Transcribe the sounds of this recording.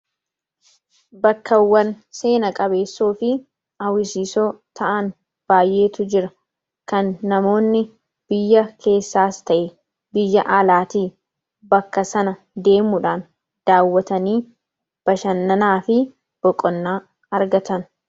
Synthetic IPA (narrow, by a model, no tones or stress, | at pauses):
bɐkːɐwːɐn | se̞ːnɐkʼɐbe̞ːsːoːfɪ | ɐwɪsiːsoːt̪ɐʔɐn | b̥aːjʔe̞ːt̪ʊd͡ʒɪɾɐ | kɐnːɐmo̞ːnːɪ | b̥ɪjːɐkʰe̞ːsːaːst̪ɐʔe | bɪjːɐʔaːlaːt̪iː | bɐkːɐsɐnɐ | d̪e̞ːmʊᶑaːn | d̪̥aːwːɐt̪ɐniː | b̥ɐʃɐnːɐnaːfɪ | b̥ɔkʼːɔnːaː | ɐɾɡɐt̪ɐn